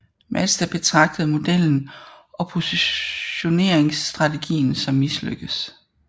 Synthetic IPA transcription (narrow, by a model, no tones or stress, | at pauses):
mʔædsd̥æb̥e̝t͡sʰʁɑ̈ɡ̥̚d̥əð̞̩ˠmo̝d̥el̰n̩ɒ̽pʰo̝siɕo̝ne̝ɐ̰eŋsd̥ʁɑ̈t͡sʰe̝ɡ̥ḭːn̩sɒ̽mːislø̰ɡ̥əs